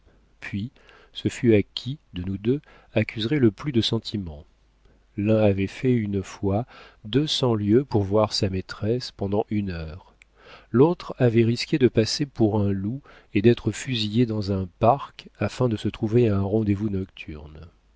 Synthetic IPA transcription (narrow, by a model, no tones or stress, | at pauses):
pʰɥi | səfyakʲʰid̪ənud̪ø | akʰʲyzʁɛləplyd̪əsɑ̃t̪ʰimɑ̃ | lɛ̃avɛfɛynfwad̪øsɑ̃ljøpuʁvwaʁsamet̪χɛspɑ̃d̪ɑ̃ʔynœːʁ | lot̪χavɛʁiskʲed̪əpasepuʁɛ̃lu | ed̪ɛt̪χəfyzijed̪ɑ̃zɛ̃paʁkafɛ̃d̪əsət̪χuveaɛ̃ʁɑ̃d̪evunɔkt̪ʰy̰ʁn